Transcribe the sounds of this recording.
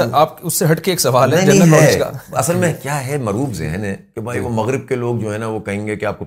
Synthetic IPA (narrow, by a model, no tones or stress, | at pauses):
aːp̚kʊsːeɦɐʈkeeːksɐʋaːlɦɛ̃nɐɦid͡ʒɛːaɔ̃ːt͡ʃka̰ːɐsəlmẽkjaːɦɛmɐɾuːbzɛ̰ɦənɦɛ̃kebʱaːiʋomɐɣɾɪb̚keloːɡ̚d͡ʒoːɦɛ̃naʋokɐɦẽːŋɡekeaːp̚ko